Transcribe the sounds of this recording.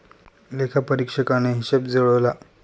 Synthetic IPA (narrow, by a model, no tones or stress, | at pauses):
lekʰapəɾikʂəkaneɦiɕebd͡zəɭəʋla